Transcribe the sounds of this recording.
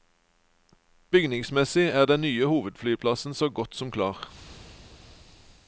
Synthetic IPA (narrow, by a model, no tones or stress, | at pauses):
b̥ʏɡnɪŋsmɛsɪæːʁd̪ɛnnyːəhuːʋəd̪flyːpʰlɑsn̩soːɡɔt̪sɔmkʰlɑːʁ